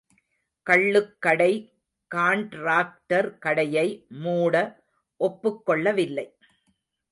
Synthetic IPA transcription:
kɐɭːɯkːɐɽɐɪ | kaːɳʈɾaːk̚ʈɐɾkɐɽɐjɐɪmuːɽɐ | ʔɔpːɯkːɔɭːɐʋɪlːɐɪ

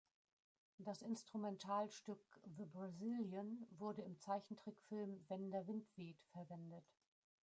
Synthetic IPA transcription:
d̥asɪnstʁ̥umɛntʰaːlʃtʏkðəbʁazɪljənvʊɐdəɪmt͡saɪçn̩tʁ̥ikfɪlmvɛndɐvɪntv̥eːtfɛɐvɛndət

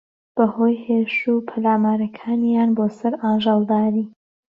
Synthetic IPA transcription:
b̥ɐhoːjheːʃuːpʰɐlaːmaːɾɐkʰaːnjaːnboːsɐɾaːʒɑlˠd̪aːɾiː

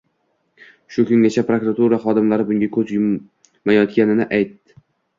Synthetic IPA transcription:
ʃʊkʰʊŋɡʲat͡ʃʰapɾokɾat̪ʰuɾaχɒd̪ɪmlaɾɪbʊŋɡʲakʰɵt͡ʃ̪jʊmː | ajɒt̪̚kʲanɪnɪʔajt̪ːɪ̥

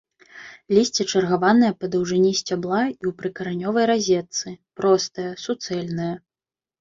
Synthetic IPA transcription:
lʲisʲt͡sʲɛt͡ʂɐrɣavanɐjɐpɐd̪ɐwʐɨnʲisʲt͡sʲablˠaiwpɾɨkɐɾanʲɔvɐjɾazʲɛt̪sɨpɾɔst̪ɐjɐsut̪sɛlʲnɐjɐ

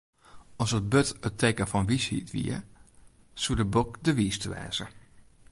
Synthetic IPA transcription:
ɔsət̚bøtətʰeːkəfɔnʋishḭtʋḭə | sudəbokdəʋistəʋɛ̰ːzə

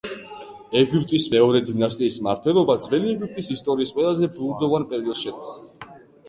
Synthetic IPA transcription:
ɛɡipʼt̪ʼismɛɔɾɛd̪inast̪ʼiːsmaɾt̪ʰwɛlˠɔbad̪zvɛliɛɡip̚ʰt̪ʼisist̪ʼɔɾiːsqʼwɛlˠazɛbɾud̪ɔvanpʼɛɾiɔd̪sʃɛd̪s

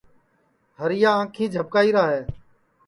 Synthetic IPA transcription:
ɦəɾɪjãːãːkʰĩːd͡ʒʱəb̚kaːiːɾaːɦeː

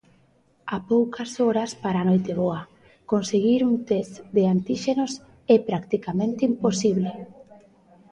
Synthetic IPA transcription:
apowkʰasoɾaspaɾanojt̪eβoa | konseɣiɾunt̪ɛsd̪eant̪iʃenos | ɛpɾakt̪ikamẽnt̪eimposiβ̞le

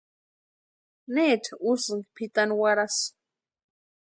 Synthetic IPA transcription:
neːʈ͡ʂʰausɨŋɡpʰit̪anwaɾas

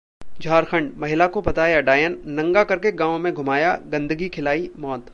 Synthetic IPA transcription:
d͡ʒʱaːɾxə̃ɳɖmɐɦɪlakobɐt̪aːjaɖaːjənːɐ̃ŋɡakɐɾkeɡãːʋõmẽɡʱʊmaːjaɡɐ̃nd̪əɡikʰɪlaːimɔːt̪

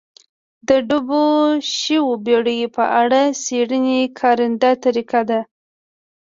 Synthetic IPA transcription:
d̪əɖuboʃiwobeɽəjpə̰ʔaɽaseɽənekʰɑɾɪnd̪at̪aɾikad̪a

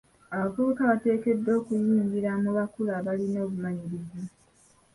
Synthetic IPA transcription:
aβavuβukaβate̞ːke̞dːo̞ːkujiːɲɟiɾamuβakulaβalino̞ːβumaɲiɾiza

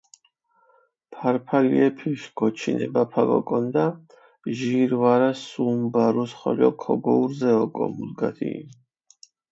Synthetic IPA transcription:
pʰaɾpʰaliɛpʰiʃɡ̥ɔt͡ʃʰinɛbapʰaɡɔ̰kʼɔnd̪a | ʒiɾvaɾasumbaɾusχɔlɔkʰɔɡɔuɾzɛɔkʼɔ̰mud̪ɡat̪ʰḭ

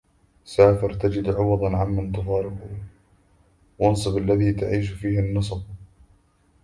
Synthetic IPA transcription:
saːfɪɾt̪ad͡ʒɪd̪ʕʊwɑðˤɑnʕamːant̪ʊfɑːɾɪqʊ | wɑnsˤɨbalːaðiːt̪aʕiːʃfiːhɪnːɨs̬ˤb̚

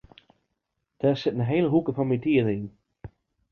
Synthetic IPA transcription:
d̥ɛsɪtnəɦejləɦukəfɔnmitiəɾəin

